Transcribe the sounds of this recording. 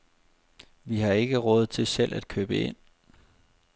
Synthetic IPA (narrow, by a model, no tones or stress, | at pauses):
ʋiɦɑ̈e̝ɡ̥əʁɔ̽ːð̞ˠt͡sʰe̝lsel̰ʔæd̥̚kʰøːb̥əe̝n̰